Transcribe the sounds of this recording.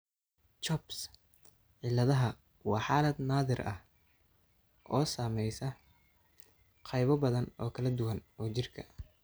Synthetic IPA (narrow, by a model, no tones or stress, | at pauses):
t͡ʃɔbs | ʕɪlɐðɐɦɐ | wɑːħaːlɐd̪naːðɪrʔɐ̰h | ʔɔːsaːmɛjsɐ | qʰɑjβɔbɐðɐnɔ̰ːkʰɐlɐd̪ʊwɐnɔːt͡ʃɪrkʰɐ̰